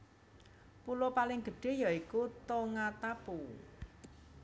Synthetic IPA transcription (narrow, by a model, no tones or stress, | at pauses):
pulopalɪŋɡ̥ə̤ɖ̥e̤jaikut̪oŋat̪apu